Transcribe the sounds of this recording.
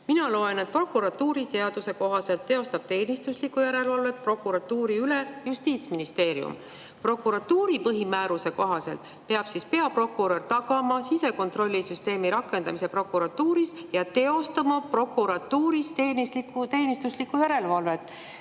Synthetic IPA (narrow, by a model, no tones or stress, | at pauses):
minɑlo̞e̞ne̞t̪̚pro̞kːˑuɾɑt̪ːuːɾise̞ɑd̪̥use̞ko̞ɦɑse̞lt̪ːe̞o̞st̪ɑb̥̚t̪e̞ːnist̪uslikːˑujæɾe̞lvɑlve̞t̪̚pro̞kːˑuɾɑt̪ːuːɾiyle̞just̪iːt̪sminist̪e̞ːɾiṵm | pro̞kːˑuɾɑt̪ːuːɾipɤɦimæːɾuse̞ko̞ɦɑse̞̰lt̪ˑ | pe̞ɑb̥sispe̞ɑpro̞kːuɾo̞rt̪ɑɡ̥ɑmɑsise̞ko̞nt̪ro̞lʲːisyst̪e̞ːmiɾɑkːˑe̞nd̪̥ɑmise̞pro̞kːuɾɑt̪ːuːɾisjɑt̪e̞o̞st̪ɑmɑpro̞kuɾɑt̪ːuːɾist̪eːnislikut̪e̞ːnist̪uslikːujæɾe̞lvɑlve̞t̪ːˑ